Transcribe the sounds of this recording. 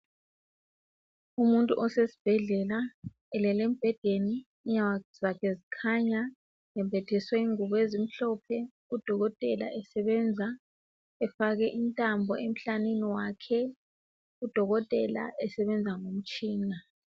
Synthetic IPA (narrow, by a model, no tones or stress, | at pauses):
umuntʼṵʔɔsesi̥b̥ʱɛɮɛla | ɛlɛlɛm̩b̥ʱɛd̥ʱeniː | ɲaz̥akʰɛzikʰaɲa | ɛmbʱɛtʰɛswɛŋuβɔezim̩ɬɔpʰɛ | ud̥ʱɔɣɔtʼɛla̰ʔɛsɛβɛnd͡zʱa | ɛfaɣɛʔintʼambʱɔʔem̩ɬaneniwakʰɛ | ud̥ʱɔɣɔtʼɛla̰ʔɛsɛβɛnd͡zʱaŋom̩t͡ʃʼiːna